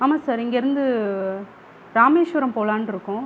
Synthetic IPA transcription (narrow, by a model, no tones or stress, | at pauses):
aːmaːsaːɾɪŋɡɐɪɾɯnd̪ɯ | ɾaːmeːʂʋɐɾɐmpoːlaːnɪɾɯkːʊ̃